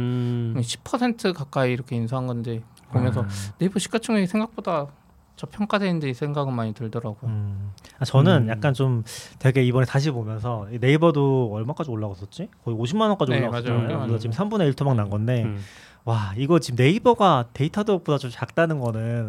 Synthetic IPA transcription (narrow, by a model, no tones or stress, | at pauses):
ɯeɕʰi̥pʰʌsʰe̞ntʰɯkak͈aiːɾʌkʰe̞insʰaɦaŋɡʌnde | pomjʌnsʰʌne̞ibʌɕʰi̥k͈at͡ɕʰɯŋeɡesʰe̞ŋɡak̚p͈oda | t͡ɕʌpʰjʌŋk͈adenɯnd͡ʑeisʰe̞ŋɡaɡɯɭmaɲitɯɭdʌɾaɡujoat͡ɕʌnɯnjak̚k͈ant͡ɕomtwe̞ɡe̞ibʌne̞taɕ̬ʰipomjʌnsʰʌine̞ibʌdoʌɭmak͈ad͡ʑioɭːaɡʌs͈ʌt̚t͡ɕ͈ikʌioɕʰimːanʌk͈ad͡ʑioːaɡad͡ʑaesʌt͡ɕimsʰambune̞iɭtʰumaŋnanɡʌnde̞ | waiɡʌt͡ɕimne̞ibʌɡate̞itʰadopodat͡ɕomt͡ɕak̚t͈anɯnɡʌnɯn